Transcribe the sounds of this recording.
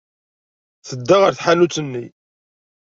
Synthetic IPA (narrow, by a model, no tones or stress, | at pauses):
θəd̪ːaʁəɾθħalut͡sːənːḭ